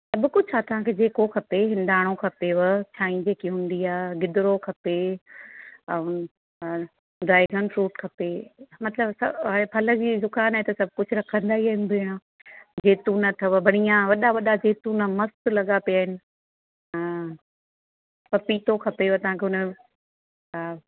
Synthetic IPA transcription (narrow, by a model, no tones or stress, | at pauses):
sɐbʊkʊd͡ʑʱaːt̪ɐʋ̤ãkʰeːd͡ʑeːkokʰɐpeɦɪ̃nd̪aːɽ̃okʰɐpeʋt͡ɕʰaːĩd͡ʑeːkiɦũːnd̪iaːɡɪd̪ɪɾokʰɐpe | ɖaːɪɡənfɾuːʈkʰɐpemɐt̪ləbsɐaːepʰɐlə̆d͡ʑiːdʊkaːnaɦet̪ɐsɐbʱkʊd͡ʑʱʊɾɐkʰə̃nd̪aːɦiaːɦɪnbʱeːɽ̃a | d͡ʑeːt̪ũnɐt̪ʰɐʋəbʱɐɽ̃ijãʋɐɗaʋɐɗad͡ʑeːt̪ũnɐmɐst̪lɐɠapijaːɦɪnɪ̆ | pɐpiːt̪okʰɐpeʋət̪ɐʋ̤ãkʰeʊn